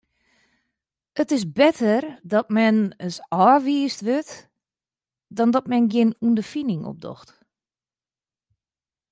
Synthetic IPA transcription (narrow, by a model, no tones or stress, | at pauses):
ətɪs̬bɪtʰərdɔtmɛnəsɔːʋiːəstʋøt | dɔndɔtmɛnɡjɪnundəfinɪŋo̰p̚dɔ̰xt